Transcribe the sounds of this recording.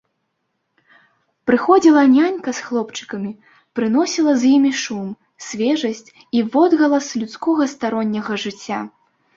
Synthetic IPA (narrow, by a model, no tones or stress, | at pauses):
pɾɨxɔd͡zʲilˠɐnʲanʲkɐsxlˠɔpt͡ʂɨ̥kɐmʲi | pɾɨn̪ɔsʲilˠɐzʲjimʲiʂum | sʲvʲɛʐɐsʲt͡sʲ | ivɔd̪ɣɐlˠɐslʲut̪skɔɣɐst̪aɾɔnʲːɐɣɐʐɨt͡sʲːa